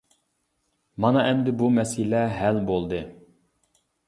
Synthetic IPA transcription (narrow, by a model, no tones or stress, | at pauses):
mɑnɑʔɛmd̪ɪbumɛsilɛɦælbolˠd̪ɨ